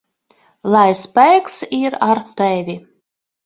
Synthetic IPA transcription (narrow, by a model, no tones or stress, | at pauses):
lˠajspæjksiɾaɾt̪ɛvʲi